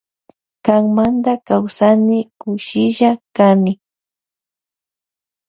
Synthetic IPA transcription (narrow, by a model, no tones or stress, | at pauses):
kaŋmand̪akawsanɪkʊʃɪʒakanɪ